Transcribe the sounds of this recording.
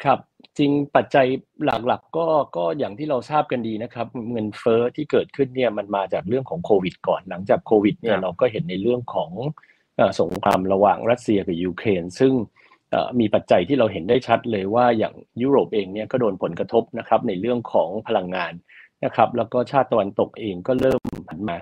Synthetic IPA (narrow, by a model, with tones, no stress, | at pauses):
kʰa˦˥˩p̚t͡ɕi˧ŋpa˨˩t̪̚t͡ɕa˧jla˨˩k̚la˨˩kːɔː˥˩kɔː˥˩jaː˨˩ŋt̪ʰiː˥˩ɾa˧wsaː˥˩p̚ka˧ndiː˧na˦˥kʰɾa˦˥p̚ŋɤ˧nfɤː˦˥t̪ʰiː˥˩kɤː˨˩t̪̚kʰɯ˥˩nːi˥˩ɐma˧nmaː˧t͡ɕaː˨˩k̚ɾɯ˥˩əŋkʰɔː˩˦ŋkʰoː˧wi˨˩t̪̚kɔː˨˩nla˩˦ŋt͡ɕaː˨˩kʰoː˧wi˨˩t̪̚ni˥˩ɐɾa˧wkɔː˥˩ɦe˩˦nːa˧jɾɯ˥˩əŋkʰɔː˩˦ŋ | ʔaː˨˩so˩˦ŋkʰɾa̰ː˧mɾa˧wa̰ː˨˩ŋɾa˦˥t̪̚si˧ɐka˨˩juː˧kʰɾeː˧nsɯ˥˩ŋ | ʔa̰ː˨˩miː˧pa˨˩t̪̚t͡ɕa˧jt̪ʰiː˥˩ɾa˧wɦe˩˦ndaː˥˩jt͡ɕʰa˦˥t̪̚lɤː˧jwaː˥˩ja̰ː˨˩ŋjuː˦˥ɾoː˨˩p̚ʔeː˧ŋni˥˩ɐkɔː˥˩doː˧npʰo˩˦nkɾa˧t̪ʰo˦˥p̚na˦˥kʰɾa˦˥p̚na˧jɾɯ˥˩əŋkʰɔː˩˦ŋpʰa˧la˧ŋːaː˧nː | a˦˥kʰɾa˦˥p̚lɛː˦˥wkɔː˥˩t͡ɕʰaː˥˩t̪ːa˧wa˧nt̪o˨˩k̚ʔeː˧ŋkɔː˥˩ɾɤː˥˩mpʰa˩˦nmaː˧